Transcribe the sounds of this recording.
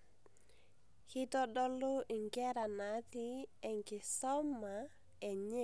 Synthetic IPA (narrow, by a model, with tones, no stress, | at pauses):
kɪ˦tɔ˦dɔ˦lo˦ʔi˨ŋɡɛ˦ɾa˨na˨˦tɪ˦ɛ˨ŋkɪ˨sɔ˦ma˨ | ɛ˨ɲɛ˦